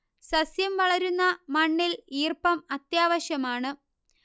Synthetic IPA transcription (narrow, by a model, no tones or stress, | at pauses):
sɐsjɐmʋɐɭɐɾunːɐmɐɳːiliːrpɐmɐt̪jaːʋɐɕjɐmaːɳɨ